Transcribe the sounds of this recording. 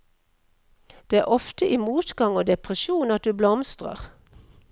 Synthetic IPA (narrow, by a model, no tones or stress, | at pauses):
d̪̥eːæːʁʔɔft̪əʔɪmuːt̪ɡɑŋoːd̪ɛpʰʁəʃuːnɑt̪̚d̪ʉːblɔmst̪ʁə̰ʁ